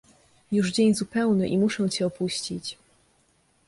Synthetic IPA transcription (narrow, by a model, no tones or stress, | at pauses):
juʐd͡ʑeɲzupɛwnɘʔimuʂɛw̃t͡ɕɛɔpuɕt͡ɕit͡ɕ